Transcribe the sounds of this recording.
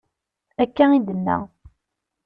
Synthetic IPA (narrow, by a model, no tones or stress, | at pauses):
ækːæid̪ənːæ̰